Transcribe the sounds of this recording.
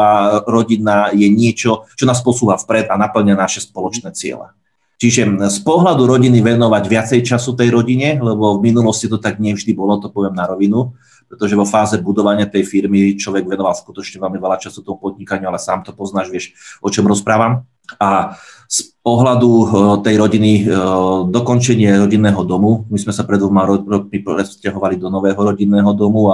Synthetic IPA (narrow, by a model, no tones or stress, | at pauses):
aɾɔɟinajɛɲɪɛt͡ʃɔt͡ʃɔnaːspɔsuːɦafpɾɛd̪anapl̩ɲanaʃɛspɔlɔt͡ʃnɛːt͡sɪɛ̰lɛ̰ | t͡ʃiʒɛspɔɦlad̪uɾɔɟiniʋɛnɔʋaɟʋɪat͡sɛjt͡ʃasut̪ɛjɾɔɟiɲɛlɛbɔvminulɔscit̪ɔt̪aɡɲɪɛvʒd̪ibɔlɔt̪ɔpɔʋɪɛmnaɾɔʋinu | pɾɛt̪ɔʒɛʋɔfaːzɛbud̪ɔʋaɲɪat̪ɛjfiɾmit͡ʃlɔʋɛɡʋɛnɔʋalskut̪ɔt͡ʃɲɛʋɛlmiʋɛlat͡ʃasut̪ɔmupɔd̪ɲikaɲɪualɛsaːmt̪ɔpɔznaːʒʋɪɛʃʔɔt͡ʃɔmɾɔspɾaːʋam | aspɔɦlad̪ut̪ɛjɾɔɟini | d̪ɔkɔnt͡ʃɛɲɪɛɾɔɟinːɛːɦɔd̪ɔmumizmɛsapɾɛd̪ʋɔmaɾɾɔk̚mipɾɛscaɦɔʋalid̪ɔnɔʋɛːɦɔɾɔɟinːɛːɦɔd̪ɔmua